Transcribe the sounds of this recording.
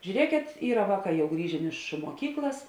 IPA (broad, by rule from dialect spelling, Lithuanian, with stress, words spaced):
ʒʲuːˈrʲiɛkʲeːt ˈiːrɐ ˈʋɑːˌkɑː jɛʊ ˈɡrʲiːʒʲeːn ˈɪʃ muɔˈkʲiːklˠɐs